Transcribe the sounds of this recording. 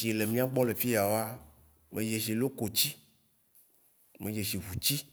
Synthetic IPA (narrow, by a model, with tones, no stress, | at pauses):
i˨le˨mĩ˦a˦ɡ͡bɔ˦le˨fi˦ja˨wo˦a˦ | mʔẽ˨je˨ʃi˨lo˦ko˨t͡ɕi˦ | me˨je˨ʃi˨vu˨t͡ɕi˦